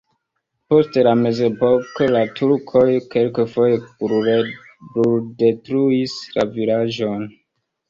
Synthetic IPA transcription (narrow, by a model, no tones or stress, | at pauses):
po̞stlame̞ze̞po̞ko̞latʰuɾkʰo̞jke̞lkefo̞jepuɾɾe | bulde̞tɾuisla̰vilaʒo̞n